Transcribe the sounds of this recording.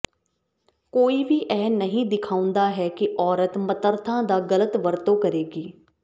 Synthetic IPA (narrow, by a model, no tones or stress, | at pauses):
koːiːʋiːʔɛːnəɦĩːd̪ɪkʰaːʊ̃nd̪aːɦɛːkɪʔɔːɾət̪mət̪əɾt̪ʰãːd̪aːɡələt̪ʋəɾt̪õːkəɾeːɡiː